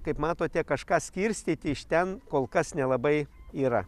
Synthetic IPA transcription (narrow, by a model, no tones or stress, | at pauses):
kɐɪpmɑːt̪oːt̪ʲɛkɐʃkɑːsʲkʲiɾʲsʲt̪ʲiːt̪ʲɪɪʃt̪ʲɛnkoːlˠkɐsnʲɛlˠɐbɐɪiːɾɐ